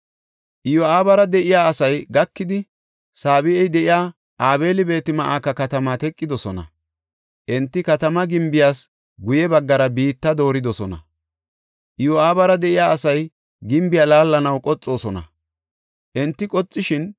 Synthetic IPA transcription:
ʔɪjɔaːbɐɾɐd̪ɛʔɪjaːɐsɐjɡɐkːɪd̪ɪ | saːbɪɛjd̪ɛʔɪjaː | ʔaːβe̞ːlɪbe̞ːt̪ɪmɐʔaːkɐkɐt̪ɐmaːt̪ɛkʼːɪd̪ɔsɔnɐ̰ | ʔɛnt̪ːɪkɐt̪ɐmɐɡɪmbɪjaːs | ɡʊjɛbɐɡːɐɾɐbiːt̪ːɐd̪o̞ːɾɪd̪ɔsɔnɐ̰ | ʔɪjɔaːbɐɾɐd̪ɛʔɪjaːɐsɐj | ɡɪmbɪjaːlaːlːɐnɐwkʼɔt͡sʼːo̞ːsɔnɐ̰ | ʔɛnt̪ːɪkʼɔt͡sʼːɪʃɪn

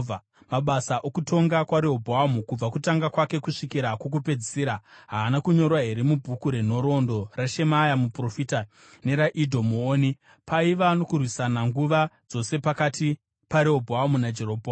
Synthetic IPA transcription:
a | maɓasaʔokuto̞ŋɡakwaɾeɦobʱoamukub͡vakutaŋɡakwake̞kuʂikiɾakok̬upe̞d͡zisiːɾaɦaːnakuɲo̞rwaɦe̞ɾemubʱukuɾen̤o̞ɾo̞ndo̞raʃe̞majamupro̞fita | ne̞ɾaʔidʱomuoːni | paiʋano̞kurwisanaŋɡuʋad͡zo̞se̞pakati | paɾeobʱoamunad͡ʒeroːbʱoa

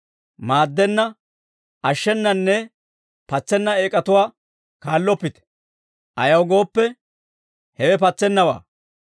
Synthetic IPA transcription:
maːd̪ːɛnːɐ | ʔɐʃːɛnːɐnːɛ | pɐt͡sːɛnːɐeːkʼːɐt̪ʊwaː | kaːlːɔpːɪt̪ɛ̥ | ʔɐjɐwɡo̞ːpːɛ | hɛwɛpɐt͡sːɛnːɐwa̰ː

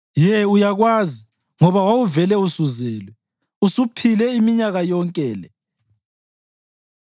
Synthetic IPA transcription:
jɛujaɣwazi | ŋɔβawawuvɛlɛusuzɛːlwɛ | usupʰilɛimiɲaɣajɔŋkʼɛːlɛ

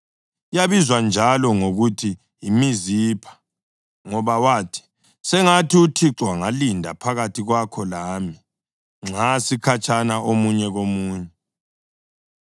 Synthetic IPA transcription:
jaβizwand͡ʒʱalɔŋoɣutʰiː | miziːpʰḁ | ŋɔβawaːtʰi̥ | sɛŋatʰiutʰiǁwaŋalindʱa̰pʰaɣatʰiɣwakʰɔlaːmi | ŋ͡ǁasikʰat͡ʃʰʼanaʔomuɲɛɣomuːɲɛ

